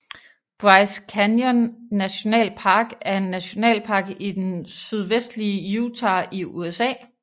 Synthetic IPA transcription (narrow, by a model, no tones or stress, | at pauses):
b̥ʁɑ̈ɪskʰænjɔnːæɕo̝nɛ̰ːlpʰɑ̈ːɡ̥æɐe̝nːæɕo̝nɛ̰ːlpʰɑ̈ːɡ̥id̥ensyð̞ˠʋesd̥liəjut͡sʰɑ̈iʔuesɛ̰ː